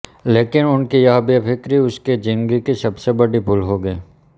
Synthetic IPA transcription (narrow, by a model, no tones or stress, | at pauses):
leːkɪnʊnkijɐɦbiapʰɪkɾiʊsked͡ʒɪ̃ŋɡikisɐbsebɐɽibʱʊlɦoɡəiː